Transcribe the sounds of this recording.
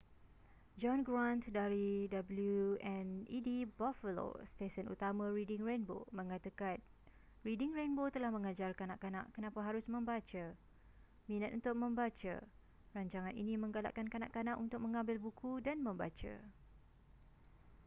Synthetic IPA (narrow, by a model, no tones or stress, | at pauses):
d͡ʒɔnɡɾant̪daɾidabəljuɛnidibafəlo̰st̪esənṵt̪amãɾidɪŋrenbo̰mə̃ŋat̪akan | ridɪŋɾenbot̪əlahmə̃ŋad͡ʒarkanaʔkana̰ʔkənãpaɦaɾʊsmə̃mbat͡ʃa | mĩnat̪̚unt̪ʊk̚mə̃mbat͡ʃa̰ | raɲt͡ʃaŋanḭnĩmə̃ŋɡala̰ʔkankanaʔkanãʔunt̪ʊk̚mə̃ŋãmbɪlbukʰudanmə̃mba̰t͡ʃa̰